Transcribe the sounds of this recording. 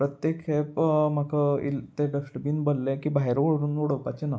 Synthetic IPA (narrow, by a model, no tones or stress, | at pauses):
pɾət̪jekʰepm̤akʰəḭlt̪eɖəʂʈbiːnbolːekiːbaɦeɾoɭɽuːnoɽ̤əwkat͡ɕena